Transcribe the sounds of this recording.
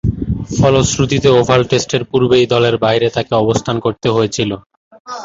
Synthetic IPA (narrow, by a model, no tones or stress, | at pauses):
fɔlosɾut̪it̪eobʱalʈesʈeɾpuɾbejd̪ɔleɾbajɾet̪akeɔbost̪ʰankoɾt̪eɦojet͡ɕʰilo